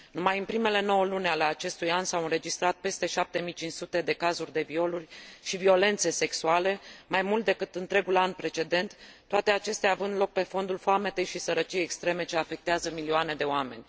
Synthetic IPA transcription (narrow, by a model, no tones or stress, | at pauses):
numajɨnpɾime̞le̞no̞wəlunʲale̞at͡ʃe̞st̪ujansawɨnɾe̞d͡ʒist̪ɾat̪̚pe̞st̪e̞ʃap̚t̪e̞mijt͡ʃint͡ʃsut̪e̞d̪e̞kazurʲd̪e̞vio̞lurʲʃivio̞le̞nt̪se̞se̞ksuale̞majmult̪̚d̪e̞kɨt̪ɨnt̪ɾe̞ɡulanpɾe̞t͡ʃe̞d̪e̞nt̪ː | oat̪e̞at͡ʃe̞st̪eaːvɨnd̪lo̞k̚pe̞fo̞nd̪ulfoame̞t̪e̞jʃisəɾət͡ʃijejekst̪ɾe̞me̞t͡ʃe̞afe̞k̚t̪eazəmilioane̞d̪e̞oame̞̰nʲ